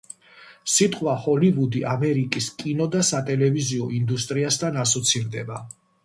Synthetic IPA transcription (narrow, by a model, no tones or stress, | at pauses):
sit̪ʼqʼwahɔlivud̪iʔamɛɾikʼiskʼinɔd̪asat̪ʼɛlɛviziɔind̪ust̪ʼɾiast̪ʰanasɔt̪sʰiɾd̪ɛba